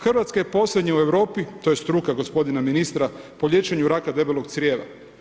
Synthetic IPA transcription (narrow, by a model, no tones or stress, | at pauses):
xrʋat̪skajepo̞slʲed̪ɲaue̞ʋɾo̞ːpit̪o̞je̞st̪ɾukaɡo̞spo̞d̪inaminist̪ɾapoʎʲje̞t͡ʃeɲuɾakad̪e̞belˠoɡt̪sɾʲjeːʋa̰